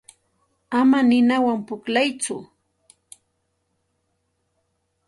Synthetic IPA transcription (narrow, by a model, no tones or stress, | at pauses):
amanɪnawampʊklajt͡sʊ